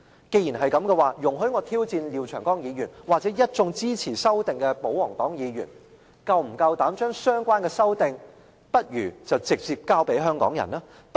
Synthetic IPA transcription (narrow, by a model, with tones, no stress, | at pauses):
ke˧jiː˨˩nɦɐ˨jkɐ˨˥mkɛ˧waː˨˩jʊ˨˩ŋɦɵ˨˥ɥŋɔː˨˧t̪ʰiː˥wt͡siː˧nliː˨˧wt͡ʃʰœː˨˩ŋkɔː˥ŋjiː˨˧ɥyː˨˩nwaː˨˩t͡sɛ˨˥jɐ˥t̚t͡sʊ˧ŋt͡siː˥t͡sʰiː˨˩sɐ˥wt̪ɪ˨ŋkɛ˧po˨˥whɔ˨˩ŋt̪ɔ̰ː˨˥ŋjiː˨˧ɥyː˨˩n | kɐ˨˧wm̩˨˩kɐ˧wt̪aː˨˥mt͡ʃœː˥ŋsœː˥ŋkʷwaː˥nkɛː˧sɐ˥wt̪ɪ˨ŋ | pɐ˥t̚jyː˨˩t͡sɐ˨wt͡sɪ˨k̚t͡siː˨p̚kaː˥wpe˨˥jɦœː˥ŋkɔ̰ː˨˥ŋjɐ̰˨˩naː˥ | p